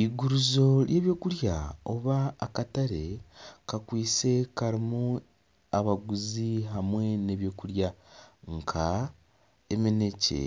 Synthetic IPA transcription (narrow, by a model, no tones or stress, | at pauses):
iɡuɾuzo̞ɾjʔe̞ːβjo̞ːkuɾjaoβaːkataɾekakwiːt͡se̞kaɾimu | aβaɡuziɦamwe̞ne̞βjo̞ːkuɾjaŋkʰa | emine̞cḛ